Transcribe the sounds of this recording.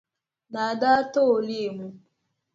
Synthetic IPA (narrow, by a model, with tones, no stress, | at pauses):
na˨da˦to˦o˨li˦˨mu˦